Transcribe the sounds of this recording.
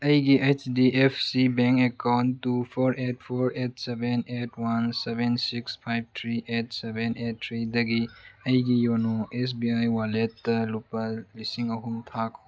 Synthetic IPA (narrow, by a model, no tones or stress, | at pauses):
ɐjɡiʔet͡ʃdiʔepʰsibeŋkekawntːupʰɔɾet̚pʰɔɾet̚sebenetʰwansebensikspʰajb̚t̪ʰɾiʔet̚sebenet̚ʰːɾidɐɡiɐjɡijɔnoes̬biajwaletːɐlupɐlisiŋɐɦumtʰak